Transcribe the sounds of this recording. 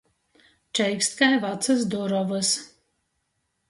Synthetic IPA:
t͡ʃɛjkst̪kajvat̪sɨs̬d̪uɾɔvɨs

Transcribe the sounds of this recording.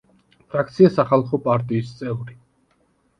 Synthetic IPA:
pʰɾak̚ʰt̪sʰiasaχalˠχɔpʼaɾt̪ʼiːst̪sʼɛvɾi

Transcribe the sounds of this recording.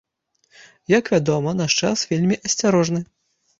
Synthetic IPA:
jɐkvʲad̪ɔmɐnaʂt͡ʂasvʲelʲmʲiʔɐsʲt͡sʲaɾɔʐnɨ

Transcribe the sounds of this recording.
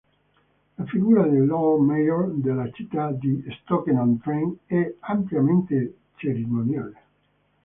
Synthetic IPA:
lafiɡuːɾad̪elːɔmejoɾd̪elat͡ʃit̪ːad̪ist̪ɔkenãnt̪ɾɛŋɛampljament̪e | t͡ʃeɾimonjaːle

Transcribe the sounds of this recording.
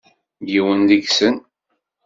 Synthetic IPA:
jiwənd̪iɡsən

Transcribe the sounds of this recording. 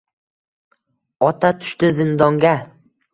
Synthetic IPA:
ɒt̪ʰat̪ʰʊ̥ʃt̪ɪzɪnd̪ɒŋɡʲa

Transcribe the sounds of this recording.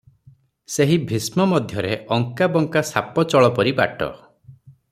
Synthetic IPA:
seɦibʱismɔmɔd̪ʱjɔɾeʔɔŋkabɔŋkasapɔt͡ʃɔɭɔpɔɾiba̰ʈɔ̰

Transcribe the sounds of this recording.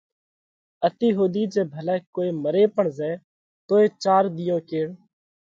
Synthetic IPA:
ət̪iːɦoːd̪iːd͡ʒeːbʱəlɛːkoːeːməɾeːpəɳzɛː | t̪oːeːt͡ʃaːɾd̪ɪjõːkeːɽ

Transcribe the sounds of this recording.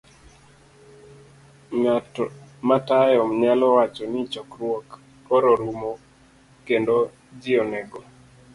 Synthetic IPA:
ŋatɔmatajɔmɲalɔwat͡ʃɔnɪt͡ʃɔkɾwok | ɔɾɔɾumo | kendo | d͡ʒɪɔnɛɡɔ

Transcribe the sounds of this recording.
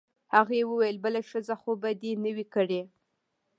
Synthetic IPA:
haɣaewəwajəlbəlaʃəzaxobad̪enəwikəɽe

